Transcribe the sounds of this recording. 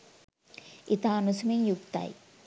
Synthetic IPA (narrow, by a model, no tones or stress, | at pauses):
it̪aːnusɐmimjukt̪a̰ːj